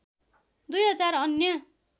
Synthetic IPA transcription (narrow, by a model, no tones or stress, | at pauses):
d̪ujɦʌd͡zarʌnjʌ